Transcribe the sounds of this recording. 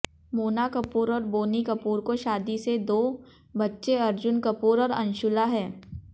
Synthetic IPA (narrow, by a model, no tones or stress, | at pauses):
moːnakɐpuːɾɔːɾboːnikɐpuːɾkoʃaːd̪ised̪oː | bɐtːʃeɐɾd͡ʒʊnkɐpuːɾɔːɾɐ̃nʃʊlaɦɛ̃ː